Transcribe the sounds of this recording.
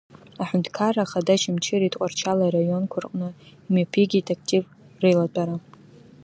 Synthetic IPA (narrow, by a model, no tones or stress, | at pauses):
aħʊntʰkʰaraχadat͡ʃʰɪmt͡ʃʰɪɾitʼqʷʼart͡ʃʰalaiɾajo̞nkʷʰʊrqʼnɨimapʰiɡʲitʰʼak̚ʰtʼiv | rɨlatʼaɾa